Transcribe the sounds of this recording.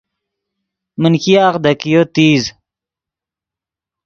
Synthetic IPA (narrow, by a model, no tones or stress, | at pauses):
mənkijaːqd̪ɐkijot̪iːz